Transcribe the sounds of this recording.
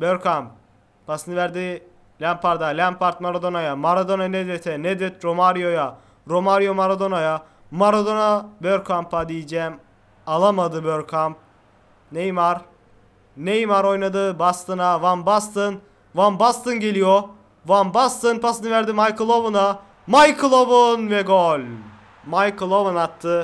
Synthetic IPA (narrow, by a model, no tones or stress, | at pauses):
bøɾkʰamp | pʰasɯnɯvæɾd̪i | lʲæmpʰaɾd̪alʲæmpʰaɾt̪maɾad̪onajamaɾad̪o̞naned̪et̪ʰɛned̪et̪ɾomaɾjo̞ja | ɾo̞maɾjo̞maɾad̪o̞naja | maɾad̪onabøɾkʰampʰad̪ijid͡ʒɛːm | alˠamad̪ɯbøɾkʰamp̚ | nejmaɾ | nejmaɾo̞jnad̪ɯbast̪ʰɯnavanbast̪ɯn | vanbast̪ɯnɟe̞lʲijo | vanbast̪ɯnpʰasɯnɯvæɾd̪imajkɯlˠovuna | majkʰɯlˠovunvɛɡolʲ | majkɯlˠovunat̪ʰːɯ